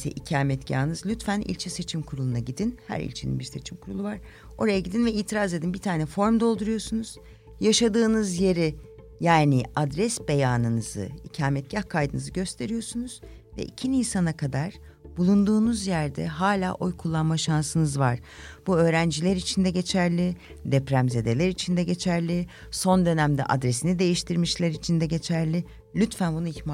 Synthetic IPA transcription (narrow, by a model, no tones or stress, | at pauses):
sɛ̰ʔicʰaːmɛt̪ɟa̰ːnɯzlʲyt̪fænḭlʲt͡ʃʰɛse̞t͡ʃʰimkʰuɾulˠunaɟid̪inhæ̰ɾḭlʲt͡ʃʰenḭnbiɾse̞t͡ʃʰimkʰuɾulˠuvaɾ̥ | o̞̰ɾajaɟid̪invɛiːt̪ʰiɾaze̞d̪inbiɾt̪ʰaːnɛfo̞ɾmd̪o̞lˠd̪uɾujo̞ɾsunuz̥ | jaʃad̪ɯːnɯzje̞ɾi | jaːniad̪ɾɛsbe̞jaːnɯnɯzɯ̰icʰaːmɛt̪̚ɟahkʰajd̪ɯnɯzɯɟø̞st̪ʰe̞ɾijo̞ɾsunuz̥ | vɛ̰ʔicʰiniːsanakʰad̪aɾ̥ | b̥ulˠund̪uːnuzjæɾd̪ɛ̰ɦaːlʲaːʔo̞jkʰulˠːanmaʃansɯnɯzvaɾ̥ | b̥uø̞ːɾænd͡ʒilʲeɾit͡ʃʰind̪ɛɟe̞t͡ʃʰæɾlʲi | d̪ɛpɾæmze̞d̪e̞lʲæɾit͡ʃʰind̪ɛɟe̞t͡ʃʰæɾlʲi | so̞nd̪ø̞næmd̪ɛ̰ʔa̰d̪ɾe̞sinid̪e̞jiʃt̪ʰiɾmiʃlʲæɾit͡ʃʰind̪ɛɟe̞t͡ʃʰæɾlʲi | lʲyt̪fænbunuiçma